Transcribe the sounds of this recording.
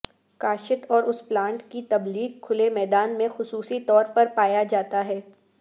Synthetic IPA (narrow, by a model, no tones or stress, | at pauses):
kaːʃɪt̪ɔːɾʊsplãːɳʈkit̪ɐbliːɡ̚kʰʊlemɛːd̪aːnmẽxʊsuːsit̪ɔːɾpɐɾpaːjad͡ʒaːt̪aɦɛː